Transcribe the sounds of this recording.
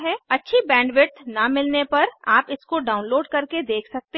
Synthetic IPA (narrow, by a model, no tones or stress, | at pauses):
ɦɛ̃ɐtːʃʰibɛ̃ːɳɖʋɪʈnɐmɪlnepɐɾaːpɪskoɖaːʊ̃nloːɖkɐɾked̪eːkʰsɐk̚t̪e